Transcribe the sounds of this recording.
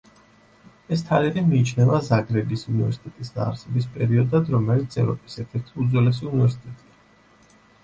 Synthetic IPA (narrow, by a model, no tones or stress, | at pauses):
ɛs̬t̪ʰaliɾɛmiːt͡ʃʰnɛvazaɡɾɛbisunivɛ̰ɾsi̥t̪ʼɛt̪ʼisd̪a̰ːɾsɛbispʼɛɾiɔd̪ad̪ɾɔmɛlit̪sʰɛvɾɔ̰pʼi̥sɛɾt̪ʰɛɾt̪ʰiud̪zwɛlɛs̬iunivɛɾsi̥t̪ʼɛt̪ʼia